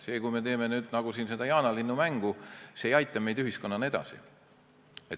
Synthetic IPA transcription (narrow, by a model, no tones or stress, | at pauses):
se̞ːkujme̞t̪e̞ːmenyːd̪̥nɑɡ̥usiːnse̞d̪̥ɑjɑːnɑlinːumæŋɡ̥useejɑjt̪ːˑɑme̞jd̪yɦisko̞nːɑne̞d̪̥ɑ̰sḭ | et̪